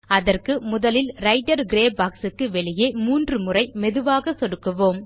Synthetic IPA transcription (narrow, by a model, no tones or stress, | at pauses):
ɐðɐrkɯmʊðɐlɪlɾɐɪʈːɐɾɡɾeːbaːksɯkːɯʋɛɭɪjeːmuːndrɯmɯrɐɪmɛðɯʋaːɣɐsɔɽɯkːɯʋoːm